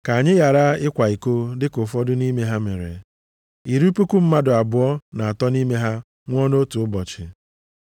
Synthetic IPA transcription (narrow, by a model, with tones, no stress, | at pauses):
ka˨ɲɪ˦ja˨ɾa˦ɪ˦kʷa˨i˨ko˦dɪ˦kʊ˨fɔ˦dʊ˦ni˦me˦ɦa˦me˨ɾḛ˨ | i˨ɾu˦pu˦ku˦m̩˦ma˦dʊ˨a˨bʊ˨ɔ˦na˨a˨tɔ˦ni˦me˦ɦa˦ | ŋʷ˦ɔ˦no˦tu˨ʊ˦bɔ˨t͡ʃɪ˨